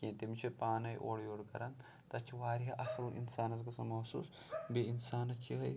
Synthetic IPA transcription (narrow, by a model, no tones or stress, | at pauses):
kẽːt̪imt͡ʃʰipaːnɐjʔoːɽjoːɽkɐ̰ɾɐn | t̪ɐt͡ʃʰiʋaːɾiɦɐʔɐsɐlḭnsaːnɐs̬ɡɐsɐmɐsṵːs | biinsaːnɐt͡ʃʰiɦɐj